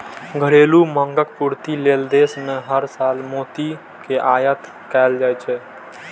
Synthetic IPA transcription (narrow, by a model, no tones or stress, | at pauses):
ɡʱəɽeluməŋɡək̚puɾt̪ileld̪esmeɦəɾsaːlmoːt̪i | keʔaːjət̪ | kɛld͡ʒaːjt͡ʃʰɛ